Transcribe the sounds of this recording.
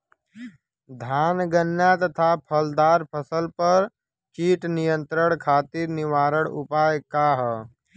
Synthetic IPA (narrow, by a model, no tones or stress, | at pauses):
d̪ʱaːnɡənjat̪ət̪ʰapʰəld̪aːɾpʰəsəlpəɾ | t͡ʃiːʈnijə̃nt̪ɾəɽ̃kʰaːt̪iɾnɪʋaːɾəɽ̃ʊpaːjkaːɦə